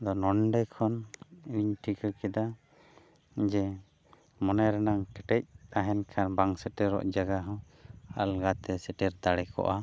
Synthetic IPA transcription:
d̪ɔnɔɳɖɛkʰɔniɲʈʰikəkɛd̪a | d͡ʒɛ | mɔnaɾɛnaŋkɛʈɛc̚t̪aɦɛnkʰanbaŋsəʈɛɾɔ̰ʔd͡ʒaɡaɦɔ̃ | a̰lɡat̪ɛsɛʈɛɾd̪aɽɛkɔ̰ʔa

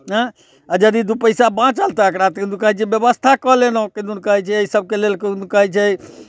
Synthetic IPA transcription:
ɦɛ̃ | ad͡ʒəd̪id̪upəjsabãt͡ʃəlt̪aəkɾat̪d̪ukəɦɛt͡ʃʰɛbjəbəst̪ʰakəɦlenoked̪unkəɦɛt͡ʃʰɛəisəb̚kelelkənukəɦɛt͡ʃʰɛ

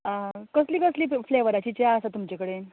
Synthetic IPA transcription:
əkəsliːkəsliːfleʋəɾat͡ɕiːt͡ɕaəsat̪umt͡ɕekəɽe

